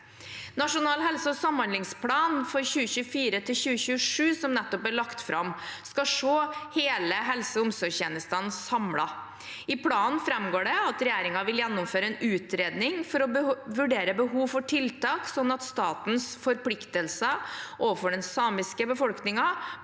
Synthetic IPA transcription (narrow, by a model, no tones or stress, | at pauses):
nɑʂʊnɑːlɦɛlsəɔsɑmhɑnd̪lɪŋspʰlɑːnfɔɾɕʉːəçʉːəfiːɾət̪ʰɪlçʉːəçʉːəʂʉːsɔmnɛt̪ːɔpæɭɑkt̪fɾʔɑ̰mskɑʂoːheːləɦɛlsəʊmsɔɾçɛːnəst̪ɑnsɑmlɑ | ɪpʰlɑːnnfɾɛmɡoːɖɛɑt̪ɾɛjeːɾɪŋɑʋɪljɛnːʊmføːɾəɛnʉːt̪ɾeːd̪nɪŋfɔɾɔbəʋʉɖeːɾəbəɦuːʋfɔʈʰɪlt̪ɑːksɔnːɑt̪st̪ɑːt̪nsfɔɾpʰlɪkt̪əlsəʔoːʋəfɔɖɛnsɑːmɪskəbəfɔlknɪŋɑ